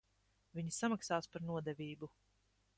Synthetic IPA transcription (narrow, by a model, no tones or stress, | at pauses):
viɲisamaksaːspaɾnuɔd̪ɛvʲiːbu